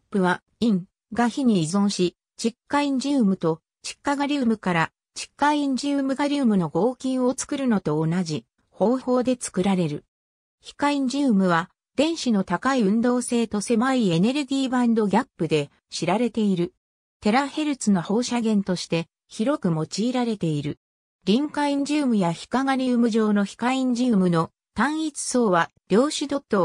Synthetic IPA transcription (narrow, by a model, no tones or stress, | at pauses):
pːɯ̟βa | ĩŋ | ɡaçiɲ̟iːzõ̞ɰ̃ɕi | t͡ɕikːaĩɲ̟d͡ʑɨːmɯ̟t̪o̞ | t͡ɕi̥kːaɡaɾʲɨːmɯ̟kaɾa | t͡ɕi̥kːaĩɲ̟d͡ʑɨːmɯ̟ɡaɾʲɯːmɯ̟no̞ɡo̞ːkʲĩɰ̃o̞t͡sɨ̥kɯ̟ɾɯ̟no̞t̪o̞ːnaʑi | ho̞ːho̞ːd̪e̞t͡sɨ̥kɯ̟ɾaɾe̞ɾɯ̟̰ | çi̥kaĩɲ̟d͡ʑɨːmɯ̟β̞a | d̪̥ẽ̞ɰ̃ɕino̞t̪akaiɯ̟̃nd̪o̞ːse̞ːt̪o̞se̞maie̞ne̞ɾɯ̟ɡʲiːbãnd̪o̞ɡʲapːɯ̟d̪e̞ | ɕiɾaɾe̞t̪e̞iɾɯ̟ | t̪e̞ɾahe̞ɾɯ̟t͡sɨno̞ho̞ːɕaɡẽ̞nt̪o̞ɕi̥t̪e̞ | çiɾo̞kɯ̟mo̞t͡ɕiːɾaɾe̞t̪e̞iɾɯ̟ | ɾʲĩŋkaĩɲ̟d͡ʑɨːmɯ̟jaçi̥kaŋaɾʲiɯmɯ̟ʑo̞ːno̞çi̥kaĩɲ̟d͡ʑɨːmɯ̟no̞ | t̪ãɰ̃it͡sɨ̥so̞ːβad̪̥ʲjo̞ːɕid̪o̞t̪ːo̞